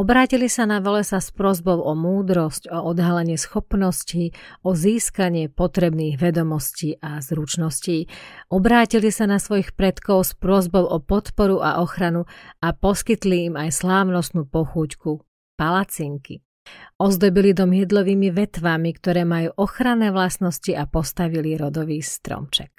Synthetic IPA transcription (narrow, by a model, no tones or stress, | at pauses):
ɔbɾaːcilisanaʋɔlɛsaspɾʊɔzbɔʊʔɔmuːd̪ɾɔscɔɔd̪ɦalɛɲɪɛsxɔpnɔsciːɔziːskaɲɪɛpɔt̪ɾɛbniːɣʋɛd̪ɔmɔsciːʔazɾut͡ʃnɔsciːʔɔbɾaːcilisanasʋɔjixpɾɛt̪kɔʊspɾʊɔzbɔʊʔɔpɔt̪pɔɾuʔa̰ʔɔxɾanuapɔskit̪liːmajslaːʊnɔst̪nuːpɔxuːcku | palat͡siːŋkḭ | ɔzd̪ɔbilid̪ɔmɪɛd̪lɔʋiːmiʋɛt̪ʋamikt̪ɔɾɛːmajuːʔɔxɾanːɛːʋlasnɔsciʔapɔst̪aʋiliɾɔd̪ɔʋiːst̪ɾɔ̰mt͡ʃɛk̚